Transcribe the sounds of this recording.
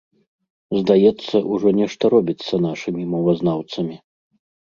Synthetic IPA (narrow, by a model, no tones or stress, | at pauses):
zd̪ajɛt̪sːɐʔuʐɔnʲɛʂt̪ɐɾɔbʲit̪sːɐn̪aʂɨmʲimɐvɐznawt̪sɐmʲi